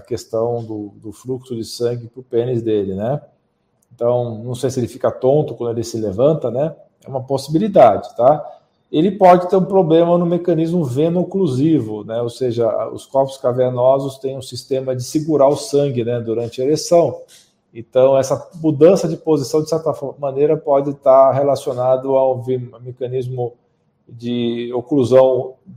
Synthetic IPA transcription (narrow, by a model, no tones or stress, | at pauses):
ɐkest̪ɐ̃w̃d̪ʊd̪ʊfluksʊd͡ʒɪsɐ̃ŋɡɪpʊpẽnɪzd̪elɪnɛ | ẽt̪ɐ̃w̃nɐ̃w̃sejsɪelɪfi̥kɐt̪õnt̪ʊkwɐ̃d̪ʊelɪsɪlevɐ̃nt̪ɐnɛ | ɛ̰ũmɐposibilid̪ad͡ʒɪ̥t̪a | elɪpɔd͡ʒɪt̪eɾũpɾoblẽmɐnʊ̃mekɐ̃nizmʊvẽnokluzivʊnɛowseʒɐ̰ʊ̰skɔɾpʊ̥skaveɾnɔzʊst̪ẽj̃ũsist̪ẽmɐd͡ʒɪsiɡuɾaɾʊsɐ̃ŋɡɪnɛd̪uɾɐ̃nt͡ʃɪɐelesɐ̃w̃ | ẽnt̪ɐ̃w̃ɛsɐmud̪ɐ̃sɐd͡ʒɪpozisɐ̃w̃d͡ʒɪsɛɾt̪ɐfɔmɐ̃nejɾɐpɔd͡ʒɪt̪aɾɦelasionad̪ʊaũvemekɐnizmʊ | d͡ʒɪokluzɐ̃w̃